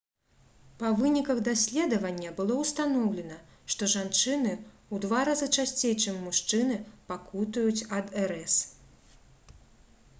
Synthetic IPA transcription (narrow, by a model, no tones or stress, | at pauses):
pɐvɨnʲikɐɣd̪asʲlʲɛd̪ɐvɐnʲːɐbɨlˠɔwst̪anɔwlʲɛnɐ | ʂt̪ɔʐant͡ʂɨnɨ | ud̪vaɾazɨt͡ʂasʲt͡sʲejt͡ʂɨmʲːuʂt͡ʂɨnɨpakut̪ujut͡sʲɐd̪ɛɾɛs